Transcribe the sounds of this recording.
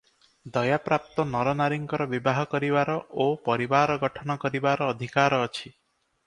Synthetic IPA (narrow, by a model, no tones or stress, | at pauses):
d̪ɔjapɾap̚t̪ɔnɔɾɔnaɾiŋkɔɾɔbibaɦɔkɔɾibaɾɔʔopɔɾibaɾɔɡɔʈʰɔnɔkɔɾibaɾɔːd̪ʱikaɾɔːt͡ʃʰi